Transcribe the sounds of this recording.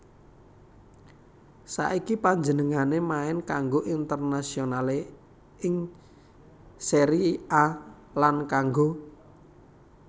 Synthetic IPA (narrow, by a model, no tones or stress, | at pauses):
sa̰ʔikipaɲd͡ʒənəŋanemaɪnkaŋɡoʔint̪ərnasionale | ɪŋ | seɾia | lankaŋɡo